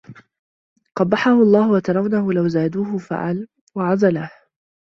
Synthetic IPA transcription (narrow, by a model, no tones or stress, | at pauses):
qɑbːɑħahʊʔɑlˤːɑːhʊwat̪ɑɾˤɑwnahʊlawzaːd̪uːhʊfa̰ʕal | waʕazˤalaːh